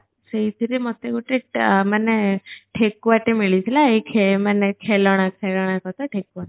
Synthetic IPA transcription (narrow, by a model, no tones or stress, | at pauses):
seit̪ʰiɾemɔt̪eɡuʈemaneʈʰekuʋaʈemiɭit͡ʃʰilaikʰemanekʰelɔɽ̃akʰelɔɽ̃akɔt̪aʈʰekuʋa